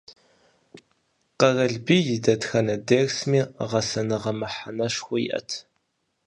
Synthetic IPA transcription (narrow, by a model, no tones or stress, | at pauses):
qɐrɐɮbiːjɪdɐtxɐnɐdeːrsmiːʁɐsɐnɨʁɐmɨħanɐʂxʷʊjɪ̰ʔɐ̰tʰ